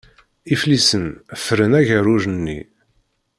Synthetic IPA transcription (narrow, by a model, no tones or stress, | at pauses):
iflisənfəɾənæʝəruʒənːḭ